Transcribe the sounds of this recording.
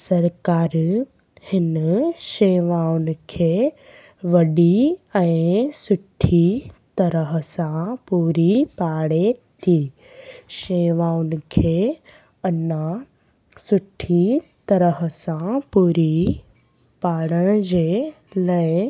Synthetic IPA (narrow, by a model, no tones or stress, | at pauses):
sɐɾkaːɾ | hɪnʃeːʋaʊnɪ̆kʰeː | ʋɐɖiɛ̃ɪsʊʈʰːit̪ɐɾəɦəsãpuːɾipaːɽet̪ʰiː | ʃeːʋaːʊnɪ̆kʰeː | əna | sʊʈʰːit̪ɐɾəɦəsãpuːɾi | paːɽəɽ̃d͡ʑeː | ləe